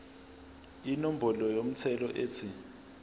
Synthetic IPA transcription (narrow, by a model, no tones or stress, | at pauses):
inom̩bʱɔlɔjom̩t͡sʰɛlɔʔeːt͡sʰi